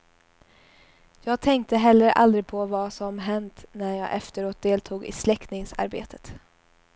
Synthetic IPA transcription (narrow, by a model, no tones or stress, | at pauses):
jɑːɡ̚t̪ʰɛŋkt̪əɦɛlːəɾa̰ld̪ɾɪɡpʰɔvɑsɔmɦɛnt̪næjɑ̰ːʔɛft̪əɾoːt̪̚d̪eːlt̪ʰuːɡɪ̰slɛkt̪nɪŋsa̰ɾbḛːt̪ʰə̥t̪